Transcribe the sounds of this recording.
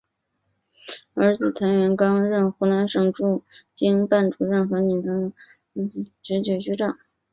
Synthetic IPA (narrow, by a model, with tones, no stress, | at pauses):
ə˞˧˥t͡sɹ̩˨˩t̪ʰa˧˥nɥɛ˧˥nkɑ˥ŋɻə˥˩nxu˧˥na˧˥nʂɤ˨˩ŋʈ͡ʂu˥˩t͡ɕi˥ŋpa˥˩nʈ͡ʂu˧˥ɻə˥˩nxɤ˧˥ny˨˩t̪ʰɤ˧˥ŋ˧˥ | t͡ɕɥɛ˧˥t͡ɕɛ˨˧˩t͡ɕy˥ʈ͡ʂɑ˥˩˦ŋ